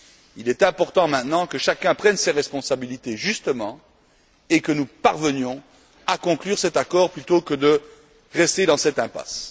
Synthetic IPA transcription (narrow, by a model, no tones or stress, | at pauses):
ilɛt̪ɛ̃pɔʁt̪ɑ̃mɛ̃t̪nɑ̃kəʃakʲɛ̃pχɛnseʁɛspɔ̃sabilit̪eʒyst̪əmɑ̃ | ekənupaʁvənjɔ̃ | akɔ̃klyʁsɛt̪akɔʁplyt̪okəd̪ə | ʁɛst̪ed̪ɑ̃sɛt̪ɛ̃pa̰s